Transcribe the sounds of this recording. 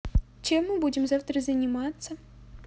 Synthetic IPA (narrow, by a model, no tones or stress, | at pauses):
t͡ɕemːɨbudʲɪmzaft̪ɾəzənʲimat̪sə